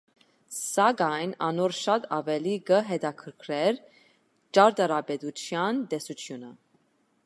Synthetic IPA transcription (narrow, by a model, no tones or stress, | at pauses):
sɑɡɑjnɑ̰nɔɾʃɑt̪ʰɑvɛliɡəɦɛd̪ɑkʰəɾkʰɾɛɾ | t͡ʃɑɾd̪ɑɾɑbɛd̪ut͡ʃʰjɑnt̪ɛsut͡sʰjunə